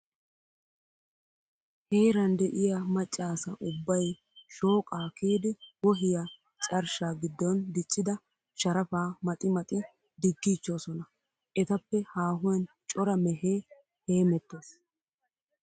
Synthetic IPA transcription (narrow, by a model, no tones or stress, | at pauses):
heːɾɐnd̪ɛʔɪjamɐt͡ʃʼːaːsɐʔʊbːɐj | ʃo̞ːkʼaːkiːd̪ɪwɔɦɪja | t͡ʃʼɐɾʃaːɡɪd̪ːɔnd̪ɪt͡ʃʼːɪd̪ɐ | ʃɐɾɐfaːmɐt̪ʼɪmɐt̪ʼɪ | d̪ɪɡːiːt͡ʃːo̞ːsɔnɐ | ʔɛt̪ɐpːɛhaːɦʊjɐn | t͡ʃʼɔɾɐmɛɦeː | he̞ːmɛt̪ːe̞ːs